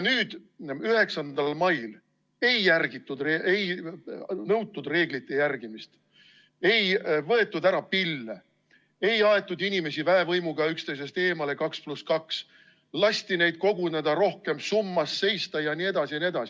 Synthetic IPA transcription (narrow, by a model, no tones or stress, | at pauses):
nyːd̪̥yɦe̞ksɑnd̪ɑlmɑjl | e̞jːærɡ̥it̪ːˑud̪reʔej | nɤwt̪ːˑud̪re̞ːɡ̥lit̪ːˑe̞jærɡ̥imist̪ | e̞jvɤ̞e̞t̪ːˑud̪æɾɑpilːe | e̞jɑe̞t̪ːˑud̪inime̞sivæevɤjmuɡ̥ɑykst̪e̞jsest̪e̞ːmɑle̞kɑkspluskɑks | lɑsʲt̪ine̞jd̪̥̚ko̞ɡ̥uned̪̥ɑɾo̞hke̞msumːɑsːe̞jst̪ɑjɑnie̞d̪̥ɑsiɑnie̞d̪̥ɑsi